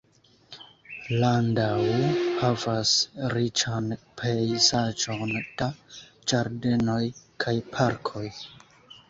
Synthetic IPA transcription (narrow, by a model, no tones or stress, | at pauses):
landawhavasɾit͡ʃanpʰejzad͡ʒo̞nd̥a | d͡ʒaɾde̞no̞jkʰajpʰaɾkʰo̞j